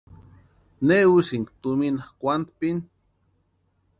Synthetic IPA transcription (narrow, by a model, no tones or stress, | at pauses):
neusiŋkt̪uminakʷant̪pin